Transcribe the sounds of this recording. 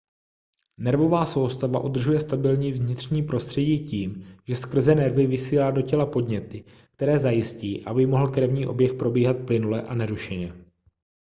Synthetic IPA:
nɛɾvo̞vaːso̞wst̪ava̰ʔud̪r̩ʒujɛst̪abɪlɲiːvzɲɪt̪r̝ɲiːpɾo̞st̪r̥ɛɟiːciːmʒɛskr̩zɛnɛɾvɪvɪsiːlaːdo̞cɛlapo̞dɲɛt̪ɪ | k̚t̪ɛɾɛːzajɪsciːʔabɪmo̞ɦl̩kɾɛvɲiːʔo̞bjɛxpɾo̞biːɦat̪̚plɪnulɛʔanɛɾuʃɛɲɛ

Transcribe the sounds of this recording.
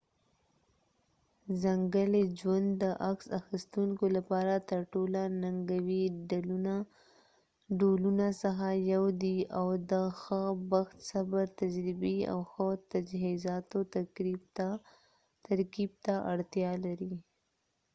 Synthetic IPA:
zaŋɡəled͡ʒwand̪ːəʔaksaxist̪uŋkolapɑɾat̪əɾʈolanaŋɡawiɖaluna | ɖolunasaxajawd̪iawd̪əxəbaxt̪sabəɾt̪ad͡ʒɾibia̰wxət̪ad͡ʒɦizɑt̪ot̪akɾibt̪a | t̪aɾkib̚t̪aʔaɽt̪jɑlaɾi

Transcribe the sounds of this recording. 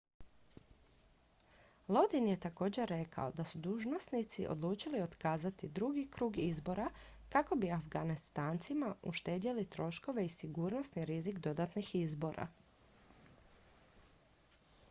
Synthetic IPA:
lˠo̞d̪inje̞t̪ako̞ːd͡ʑe̞ɾːe̞kʰa̰o̞d̪asud̪uːʒno̞snit̪siʔo̞̰d̪luːt͡ʃilio̞t̪kaːzat̪id̪ɾuɡikɾuːɡizbo̞ɾa | kako̞biafɡanist̪aːnt̪simauʃt̪e̞ːd̪jelit̪ɾo̞ʃko̞ʋe̞isiɡuːɾno̞sniɾizikd̪o̞d̪at̪nixizbo̞ɾʔa̰

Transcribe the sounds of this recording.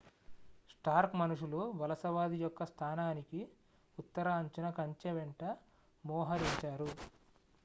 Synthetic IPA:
sʈaːɾkmɐnuʂuluʋɐlɐsɐʋaːd̪ijɔkːɐst̪ʰaːnaːniki | ut̪ːɐɾaɐɲt͡ʃunɐkɐɲt͡ʃɐʋeɳʈɐ | mɔːɦɐɾiɲt͡ʃaːɾu

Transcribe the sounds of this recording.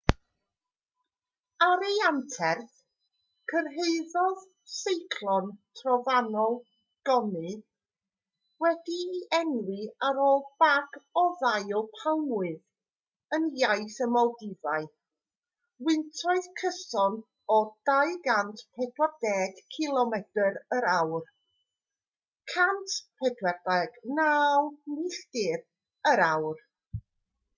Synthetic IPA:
aɾejantʰɛrθ | kʰərɦeɨðɔð | sejkʰlˠɔntʰrɔvanɔlˠ | ɡ̥ɔnɨ | wɛdiːʔɛnwiaɾoːlˠb̥aɡɔðajɔlˠpʰawmwɨð | ənjajθəmɔlˠdɪvaɨ | wɪntʰɔɨðkʰəsɔn | ɔd̥ajɡantʰpʰɛdwardɛːɡ̥kʰilˠɔmɛd̥əɾəɾawr | kʰantʰpʰɛdwɛrdɛɡ̥naːlˠniɬd̥ɪr | əɾawr

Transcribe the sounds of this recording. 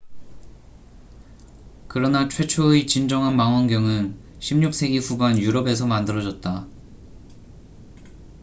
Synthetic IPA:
kɯɾʌnat͡ɕʰwe̞t͡ɕʰoet͡ɕind͡ʑʌŋɦanmaŋwʌnɡjʌŋɯn | ɕʰimɲuk̚s͈ʰe̞ɡiɸuɡanjuɾʌbesʰʌmandɯɾʌd͡ʑʌt̚t͈a

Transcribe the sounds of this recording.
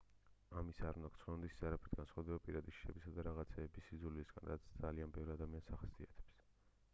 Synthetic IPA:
amisaaɾund̪akʰt̪sʰχɔnɔd̪isi̥saɾapʰɾɛt̪ʰɡansχwad̪ɛbapʼiɾad̪iʃi̥ʃɛbisad̪aɾaʁat̪sʰɛːbisizulisɡ̥a̰nɾat̪sʰd̪zalianbɛvɾiad̪amiansaχasiat̪ʰɛ̥ps

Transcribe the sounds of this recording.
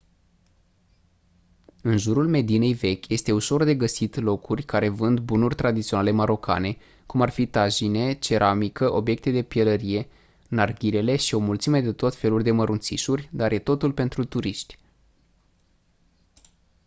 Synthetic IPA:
ɨnʒuɾulme̞d̪ine̞jve̞kʲje̞st̪e̞uʃo̞rd̪e̞ɡəsit̪lo̞kʰurʲkaɾe̞vɨnd̪bunurʲt̪ɾad̪it̪sio̞nale̞maɾo̞kʰa̰ne̞ | kumarfit̪aʒine̞t͡ʃe̞ɾʔamikəʔo̞bje̞k̚t̪e̞d̪e̞pijeləɾije̞ | narɡʲiɾe̞le̞ʃio̞mult̪sime̞d̪e̞t̪o̞t̪fe̞lurʲd̪e̞məɾunt̪siʃurʲd̪arje̞t̪o̞t̪ulpe̞nt̪ɾut̪uɾiʃt̪ʲ

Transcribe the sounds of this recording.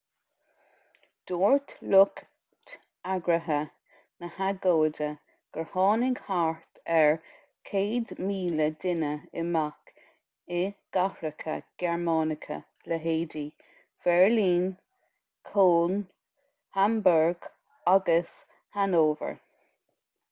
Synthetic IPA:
d̪̥oːɹt̪lʊk | t̪ | aɡɾəɦə | nəhaɡoːdə | ɡ̥əɹhɑːnɪɡhaɹt̪ʰɛɹ | kʰeːd̪miːləd̪ɪnəɪmak | ɪɡ̥ahɾəkʰə̰ɡ̥ɛɹmɑːnɪkʰə̰ | ləɦeːdi | v̥ɛɹliːn | kʰoːn | hambɛɹɡ̥ | aɡəs | hanoːvə̰ɹ

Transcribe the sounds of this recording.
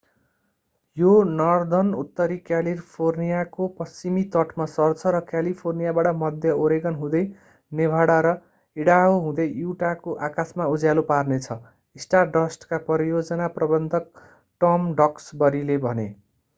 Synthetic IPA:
jonʌrd̪ʱʌnut̪ːʌɾikjalirpʰornijakopʌst͡simit̪ʌʈʰmasʌrt͡sʰʌɾʌkjalipʰornijabaʈʌmʌd̪ʱjʌoɾeɡʌnɦũd̪ʌj | nebʱaɽaɾʌ | iɽaɦoɦũd̪ʌjuʈakoʔakasmaud͡zjaluparnet͡sʰʌ | isʈarɖʌsʈkapʌɾijod͡zʌnaprʌbʌnd̪ʱʌk̚ | ʈʌmɖʌksbʌɾilebʱʌne

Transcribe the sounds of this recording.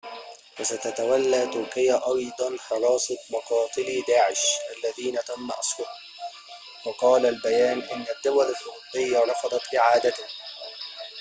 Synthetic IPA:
wasat̪at̪awalːaːt̪ʊɾkɪjaʔɑjd̪ˤɑnħɑɾˤɑːsˤɨt̪̚ˤmɑqɑːt̪ˤɨlid̪aːʕɪʃʔalːaðiːnat̪amːaʔɑsˤwɑt̪ | wɑqɑːlalbajaːnʔɪnːad̪ːʊwalalħʊɾʊt̪ˤːɨjːaɾˤɑfɑd̪ˤɑt̪ʔɪʕaːd̪at̪ʊh

